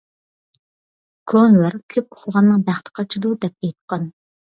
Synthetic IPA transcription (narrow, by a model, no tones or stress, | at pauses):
kʰonlˠæɾkʲʰøp̚o̥χʰlˠʁɑnːɨŋbæχt̪ʰə̥qʰɑt͡ʃʰid̪ud̪ɛp̚ɛjt̪qʰɑn